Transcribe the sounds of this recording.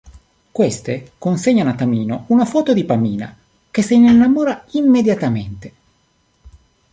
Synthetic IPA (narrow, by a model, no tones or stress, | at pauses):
kwest̪ekonseɲːanat̪ːamiːnounafɔːt̪od̪ipamiːna̰ | k̟eseininːamoːɾaimːed̪jat̪ament̪e